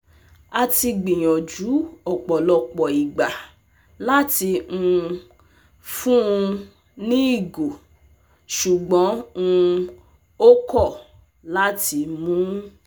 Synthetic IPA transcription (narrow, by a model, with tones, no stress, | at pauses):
a˧ti˧ɡ͡bĩ˨j̃ɔ̃˨d͡ʒu˨˦ɔ˨k͡pɔ˨lɔ˧k͡pɔ˨i˨ɡ͡ba˨ | la˦ti˧ũ˧ | fũ˦ũ˧ | nĩ˦i˦˨ɡo˨ | ʃu˨ɡ͡bɔ̃˨˦ũ˧ | o˦kɔ˦˨ | la˦ti˧mũ˦